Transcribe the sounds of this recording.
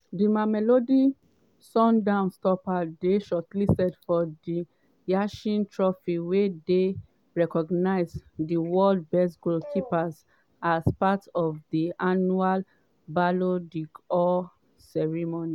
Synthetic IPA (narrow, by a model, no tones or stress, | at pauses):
dimamɛlodi | sɔ̃ndãʊ̃nstɔpadeʃɔtlistɛdfɔdi | jaʃĩntʰɹɔfikwede | ɹɛkɔɡnaɪzdiwɔld̚bɛstɡulkʰipaz | azpatɔvdiʔanual | balodikɔ | sɛɹimoni